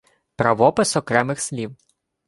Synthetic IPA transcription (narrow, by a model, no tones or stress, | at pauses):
pɾɐʋɔpɪsɔkɾɛmɪxsʲlʲiw